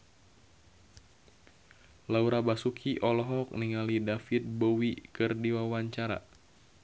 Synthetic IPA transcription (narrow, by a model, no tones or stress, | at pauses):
lauɾabasukʰiʔɔlɔɦɔk̚niŋalidafit̪̚bowikɨrdiwawaɲt͡ʃaɾa̰